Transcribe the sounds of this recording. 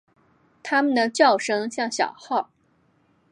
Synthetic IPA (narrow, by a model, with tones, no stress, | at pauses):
t̪ʰa˥mə˨nd̪ə˩t͡ɕjɑ˥˩ʊʂɤ˥ŋɕjɑ˥˩ŋɕjɑ̰˨˩ʊxɑ˥˩ʊ